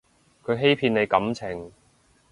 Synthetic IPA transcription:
kʰɵ˨˧ɥɦe˥jpʰiː˧ne˨˧jkɐ˨˥mt͡sʰɪ˨˩ŋ

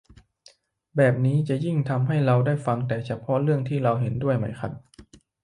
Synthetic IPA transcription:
bɛː˨˩p̚niː˦˥t͡ɕa˨˩ji˥˩ŋt̪ʰa˧mɦa˥˩jɾa˧wdaː˥˩jfa˧ŋt̪ɛː˨˩t͡ɕʰa˧˥pʰɔ˦˥ɾɯ˥˩əŋt̪ʰiː˥˩ɾa˧wɦe˩˦ndu˥˩əjma˦˥jkʰa̰˧˩t̪̚

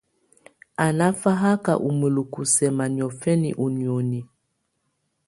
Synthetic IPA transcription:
a˨na˦fa˦ɦa˦ka̰˨ʔu˨mwe˨lu˨ku˨sɛ˨ma˨ni˨ɔ˨fɛ˦nḭ˨ʔu˨ni˨o˨ni˨

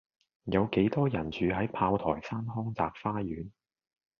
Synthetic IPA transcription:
jɐ˨˧wke˨˥jt̪ɔː˥jɐ˨˩nt͡ʃyː˨˧ɦɐ˨˥jpʰaː˧wt̪ʰɔ̰ː˨˩jsaː˥nɦɔː˥ŋt͡saː˧k̚faː˥jyː˨˥n

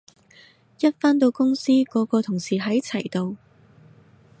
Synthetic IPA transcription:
jɐ˥t̚faː˥nt̪o˧wkʊ˥ŋsiː˥kɔː˨˧˥kɔː˧t̪ʰʊ˨˩ŋsiː˨˩ɦɐ˨˥jt͡sʰɐ˨˩jt̪o˧w

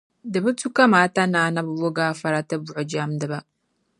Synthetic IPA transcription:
dɨ˨bɨ˦tu˦ka˦maː˨˦ta˦naː˨˦˨na˦bwo˦ɡaː˦˨fa˨ɾa˦ta˦bu˨ʔo˨d͡ʒa˦mdɨ˨ba˦

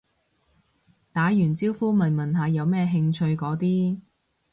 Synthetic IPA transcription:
t̪aː˨˥jyː˨˩nt͡siː˥wfuː˥mɐ˨˩nmɐ˨˩nɦaː˨jɐ˨˧wmɛː˥ɦɪ˧ŋt͡ʃʰɵ˧ɥkɔː˨˥t̪iː˥

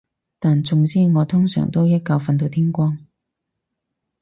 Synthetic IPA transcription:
t̪aː˨nt͡sʊ˨˧ŋt͡siː˥ŋɔː˨˧t̪ʰʊ˥ŋsœ̰˨˩ŋt̪o˥wjɐ˥t̚ka˧wfɐ˧nt̪̬o˨˧wt̪ʰiː˥ŋkʷɔː˥ŋ

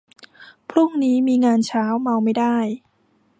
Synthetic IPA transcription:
pʰɾu˥˩ŋniː˦˥miː˧ŋaː˧nt͡ɕʰaː˦˥wma˧wma˥˩jdaː˥˩j

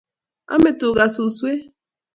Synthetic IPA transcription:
a̰˦me˨to˨ɡa˨su˨swe˦

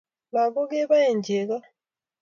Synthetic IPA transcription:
βa˨βo˦ɡe˦βa˦je˨ɲɟe˨ɣa˦

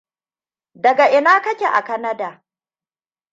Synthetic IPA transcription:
dɐ˨ɡa˨ʔɪ˨naː˦kɐ˦kʲe˨ʔa̰˨kɐ˦nɐ˦daː˨

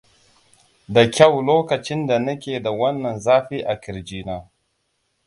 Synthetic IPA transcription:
da˨kʲa˦wloː˦kɐ˨t͡ʃɪ˦nda˨nɐ˦kʲe˨da˨wɐ˦nːɐ˨nzaː˦ɸi˦ʔa˨kɪ˨ɾd͡ʒiː˨naː˦

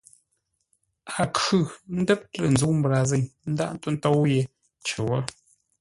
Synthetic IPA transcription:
a˨kʉ˦˨n̩˦də˦p̚tə˨n̩˨zu˨˦m̩˦bɾa˨ze˨ŋn̩˦da˦ʔn̩˦tu˦n˦to˦wje˨ | t͡ʃə˨wɔ˦

